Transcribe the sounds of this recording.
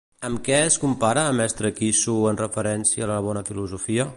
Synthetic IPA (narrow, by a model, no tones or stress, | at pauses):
əmkɛəskumpaɾəːmɛst̪ɾəkisuənrəfəɾɛnsiəːləβ̞ɔnəfiluzufiə